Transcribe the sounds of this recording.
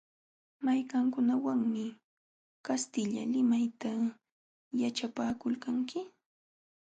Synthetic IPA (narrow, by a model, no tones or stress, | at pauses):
majkaŋkʊnawaŋmɪ | kast̪ɪʎa̰lɪmajt̪a | jaʈ͡ʂapaːkʊlkaŋkɪ